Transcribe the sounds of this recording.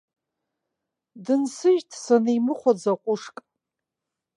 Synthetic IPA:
dɨnsɨʒtʰʼsanɨimɨχʷad͡zaqʷʼʊʂkʼ

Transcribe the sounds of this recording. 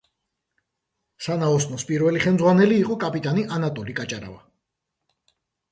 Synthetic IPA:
sanaɔsnɔspʼiɾvɛliχɛmnd̪zʁwanɛliːqʼɔkʼapʼit̪ʼaniʔanat̪ʼɔlikʼat͡ʃʼaɾa̰va

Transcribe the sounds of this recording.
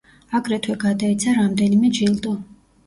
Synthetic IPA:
aɡɾɛt̪ʰwɛɡad̪ait̪sʰaɾamd̪ɛnimɛd͡ʒilˠd̪ɔ

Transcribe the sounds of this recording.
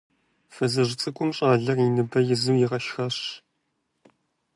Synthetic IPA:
fɐzɨʑʷɪt͡sʼɨkʷʼʊmɕʼaːɮɐrinɨbɐjɪzɨwjɪʁɐʃxɐɕ

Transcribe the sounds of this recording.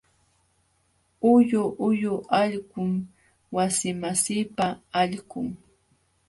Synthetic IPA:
ʊjʊʔʊjʊaʎɢʊm | wasɪmasiːpaaʎɢʊŋ

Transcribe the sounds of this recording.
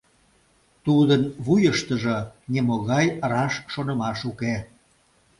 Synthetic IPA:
t̪ud̪ənβujəʃt̪əʒənʲemoɣɑjrɑʃʃonə̆mɑʃuke

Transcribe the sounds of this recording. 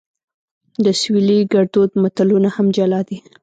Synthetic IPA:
d̪əswiliɡaɖ̚d̪od̪mat̪alunahamd͡ʒalɑd̪i

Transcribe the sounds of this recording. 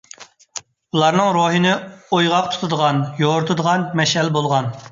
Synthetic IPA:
ulˠɑɾnɨŋɾoːɦinɪojʁɑq̚t̪ʰu̥t̪ʰud̪əʁɑnjoɾt̪ʰud̪əʁɑnmɛʃɛlbolˠʁɑn

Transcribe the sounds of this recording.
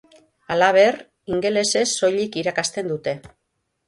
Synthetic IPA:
alaβ̞e̞r | iŋɡe̞le̞se̞sːo̞ʎikiɾakast̪e̞nd̪ut̪e̞

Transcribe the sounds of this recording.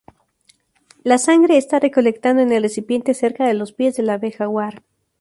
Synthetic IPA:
lasaŋɡɾe̞ːst̪are̞ko̞le̞kt̪and̪oene̞lre̞sipje̞nt̪e̞se̞ɾkaðe̞lo̞spje̞zðe̞laβe̞xawaɾ

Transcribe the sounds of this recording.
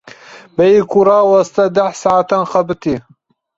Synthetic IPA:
bɐjikuɾɑːwɐst̪ɐd̪aħsaʕaːt̪anxɐbɨt̪ʰi

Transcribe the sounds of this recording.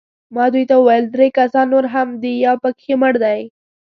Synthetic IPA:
mɑd̪ujt̪awajəld̪ɾekasɑnːoɾɦamd̪əjɑpəkʰeməɽd̪aj

